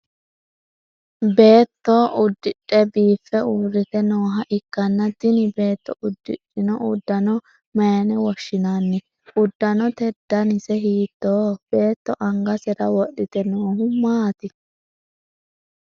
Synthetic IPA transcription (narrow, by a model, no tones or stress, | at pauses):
be̞ːt̪ːɔʔʊd̪ːɪɗɛbiːfːɛuːrːɪt̪ɛnoːɦɐʔɪkːɐnːɐt̪ɪnɪbe̞ːt̪ːɔʔʊd̪ːɪ̰ᶑɪnɔʔʊd̪ːɐnɔ | mɐjɐnɛwɔʃːɪnaːnːɛ | ʊd̪ːɐnɔt̪ɛd̪ːɐnɪsɛɦiːt̪ːoːb̥e̞ːt̪ːɔʔɐŋɡɐsɛɾɐwɔɗːɪt̪ɛnoːhʊmaːt̪ɪ